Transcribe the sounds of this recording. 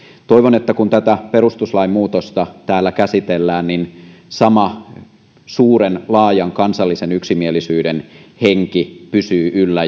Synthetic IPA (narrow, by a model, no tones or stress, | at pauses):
t̪oiʋonet̪ːækunt̪æt̪æperust̪uslɑimuːt̪ost̪ɑt̪æːlːækæsit̪elːæːnninsɑmɑ | suːɾenlɑːjɑŋkɑnsɑlːisenyksimielisyːdenheŋkipysyːʔylːæ